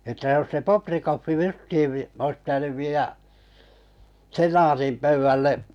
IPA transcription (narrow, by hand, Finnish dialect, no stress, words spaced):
ətːæ jos se poprikofːi justiː ois pitænyʋ ʋiːjæ senɑːtim pøyʋːælːe